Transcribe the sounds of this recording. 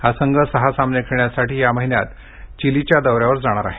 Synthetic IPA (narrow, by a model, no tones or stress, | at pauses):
hasəŋɡəsəɦasamnekʰeɳjasaʈiːjaməɦinjat̪ | t͡ɕilit͡ɕjad̪əʋɾjaʋəɾd͡zaɽ̃aɾa̰ɦe